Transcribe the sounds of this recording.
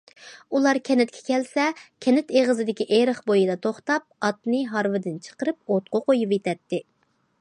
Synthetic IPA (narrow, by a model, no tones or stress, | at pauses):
ulˠɑɾkʲʰɛnɪt̪̚kʲʰɛ̥kʲɛlsɛkʲʰɛnɪt̪eʁəzɨd̪ɪkʲiʔeɾəχbojɨd̪ɑt̪ʰoχt̪ɑp̚ɑt̪̚nɨɦɑɾvɨd̪ɪnt͡ʃʰə̥qəɾɨp̚ot̪̚qʰoqojupet̪ʰɛt̪ːɪ